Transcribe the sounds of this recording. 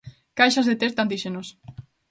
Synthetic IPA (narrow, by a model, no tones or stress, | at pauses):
kajʃazðet̪eɾt̪and̪iʃenos